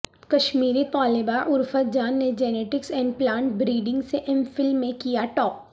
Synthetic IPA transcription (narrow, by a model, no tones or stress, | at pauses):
kɐʃmiːɾit̪ɔːlebaʔʊɾfət̪̚d͡ʒaːnːed͡ʒɛːneːʈɪksɛ̃ːɳɖ̚plãːɳʈ̚bɾiːɖɪ̃ŋɡseʔɪ̃mfɪlmːẽkijaʈɔːp̚